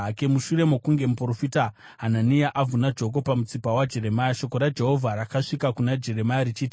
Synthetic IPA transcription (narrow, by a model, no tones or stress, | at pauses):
kemuʃure̞mokuŋɡe̞muprofita | ɦananiaʔavʱunad͡ʒo̞k̬o̞pamut͡sipawad͡ʒe̞ɾe̞majaʃo̞ko̞ɾad͡ʒe̞ɦo̞vʱaɾakaʂikakunad͡ʒe̞re̞majɾit͡ʃiːti